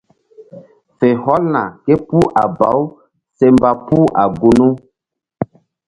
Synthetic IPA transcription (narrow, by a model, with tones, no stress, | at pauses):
fe˨hɔ˦lna̰˨ke˦pu˦ʔa˨ba̰˨˦w | se˦mba˨pu˦ʔa˨ɡu˨nu˦